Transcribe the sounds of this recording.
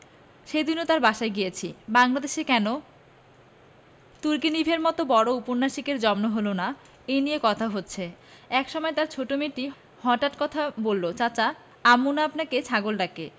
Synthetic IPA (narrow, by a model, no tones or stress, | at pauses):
ʃejd̪inot̪aɾbaʃaeɡijet͡ɕʰibaŋlad̪eʃekɛno | t̪uɾkinibʱeɾmɔt̪obɔɽoupoɾnaʃikeɾd͡ʑɔmnoɦolona | enijekɔt̪ʰaɦotːɕʰeɛkʃɔmɔet̪aɾt͡ɕʰoʈomiʈːi | hɔʈaʈkɔt̪ʰabolːot͡ɕat͡ɕa | amunaapnaket͡ɕʰaɡolɖake